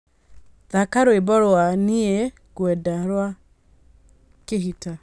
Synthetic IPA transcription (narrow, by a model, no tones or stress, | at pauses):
ðakaɾoebɔɾoaniɛ | ɣwɛdaɾwa | keɦita